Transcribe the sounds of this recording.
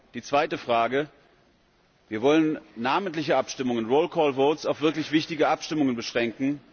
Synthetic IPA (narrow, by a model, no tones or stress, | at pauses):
d̥iːt͡sv̥aɪtəfʁ̥aːɡə | viːɐvɔlənnaːməntlɪçəapʃtɪmʊŋənʁoːlkʰɔːlvoːtsaʊfv̥ɪɐklɪçv̥ɪçtɪɡəʔapʃtɪmʊŋənbəʃʁ̥ɛŋkŋ̩